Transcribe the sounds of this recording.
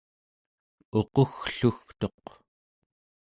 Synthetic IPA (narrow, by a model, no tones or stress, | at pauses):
o̞qoxɬuxt̪o̞q